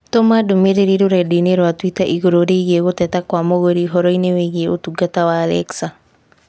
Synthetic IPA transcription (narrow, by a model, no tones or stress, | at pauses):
tomadomeɾeɾiɾoɾɛdineɾwatwitaʔiɣoɾoɾeiɣeɣotɛtakwamoɣoɾiɦɔɾɔineweɣieotuɡatawaːlɛ̰ksa